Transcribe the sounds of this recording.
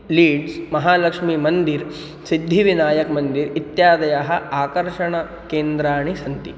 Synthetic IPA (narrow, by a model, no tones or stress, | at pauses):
liːɖsmɐɦaːlɐkʂmimɐnd̪iɾ | sid̪ʱːiʋinaːjɐkmɐnd̪iɾit̪jaːd̪ɐjaɦɐ̆aːkɐɾʃɐɳɐ | keːnd̪ɾaːɳisɐnt̪i